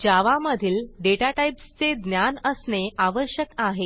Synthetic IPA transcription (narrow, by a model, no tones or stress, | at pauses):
d͡ʑaʋaməd̪ʱiːlɖeʈaʈajpst͡sed̪njanəsneʔaʋəɾɕjəkaɦe